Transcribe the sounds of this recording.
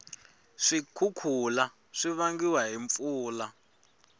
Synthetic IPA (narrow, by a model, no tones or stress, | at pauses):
ʂikʰukʰula | ʂiβaŋɡiwaɦiɱp̪fuːla